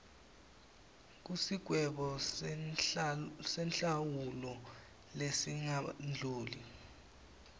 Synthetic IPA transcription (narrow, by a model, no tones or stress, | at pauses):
k̬usiɡ̥ʱwɛɓɔ | sɛnt͡ɬawulɔ | lesiŋand͡ɮʱuːli